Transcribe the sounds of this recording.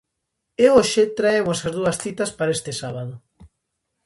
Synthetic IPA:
eoʃet̪ɾaemosɐzðuɐsθit̪ɐspaɾest̪esaβaðo

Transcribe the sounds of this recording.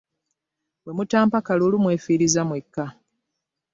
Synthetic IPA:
we̞mutaːmpakalolumwe̞ːfiːɾizamwe̞kːa

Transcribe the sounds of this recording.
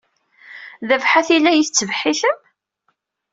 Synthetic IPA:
ðəvħaθilːæjiθət͡sːəvħiθəm

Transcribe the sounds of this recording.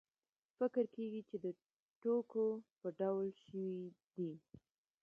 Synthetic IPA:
fɪkəɾkeɡit͡ʃed̪ə | ʈokopəɖawlʃəwid̪i

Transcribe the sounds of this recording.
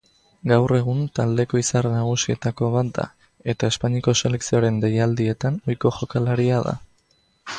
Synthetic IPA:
ɡawre̞ɣunt̪ald̪e̞ko̞isarnaɣ̞usie̞t̪ako̞β̞at̪̚d̪a̰ | e̞t̪ae̞spaɲiko̞se̞le̞ksio̞ɾe̞nd̪e̞jald̪ie̞t̪ano̞jko̞ʝo̞kalaɾiaða̰

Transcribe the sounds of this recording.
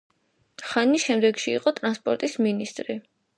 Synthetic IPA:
χaniʃɛmd̪ɛɡʃḭːqʼɔt̪ʼɾanspʼɔɾt̪ʼisminist̪ʼɾi

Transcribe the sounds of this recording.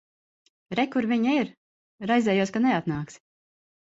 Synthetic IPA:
ɾɛkuɾviɲaiɾ | ɾajzɛːjuɔskanɛat̪naːks

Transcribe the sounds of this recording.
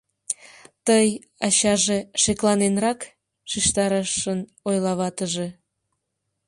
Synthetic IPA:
t̪əj | ɑɕɑʒeʃeklɑnenrɑk | ʃiʃt̪ɑɾəʃən | ojlɑβɑt̪əʒe

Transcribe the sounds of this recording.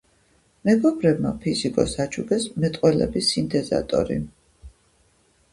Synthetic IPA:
mɛɡɔbɾɛb̚mapʰizikʼɔ̰sat͡ʃʰuɡɛsmɛt̪ʼqʼwɛlɛ̰bisint̪ʰʼɛza̰t̪ʼɔ̰ɾḭ

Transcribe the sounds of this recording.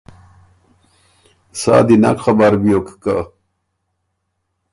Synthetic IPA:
sa̰d̪ina̰kχabaɾbijokka

